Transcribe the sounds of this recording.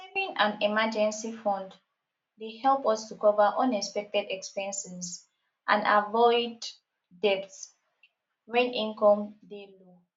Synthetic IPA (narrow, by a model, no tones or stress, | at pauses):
sɛvĩŋãnimad͡ʒɛ̃nsifɔ̃nd | dehɛlˠpɔstukɔvəʔɔ̃nɛkspɛk̚tɛdɛkspɛ̃nsɛz | ʔã̰nda̰vɔɪd | dɛpts | wɛ̃nʔĩŋkɔ̃mdelo